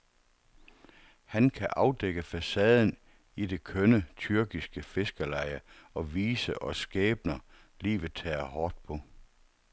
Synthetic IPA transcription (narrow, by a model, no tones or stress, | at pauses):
hænkʰæʔɑ̈ʊd̥eɡ̥əfæsɛːð̞ˠn̩ | id̥e̝kʰønət͡sʰyɐɡ̥isɡ̥əfe̝sɡ̥əlɑ̈ɪɐɒ̽ʋiːsəʔɒ̽sɡ̥ɛːb̥nɐ | lḭːʋð̩ˠt͡sʰɛ̰ːɐhɒːd̥̚pʰɒ̽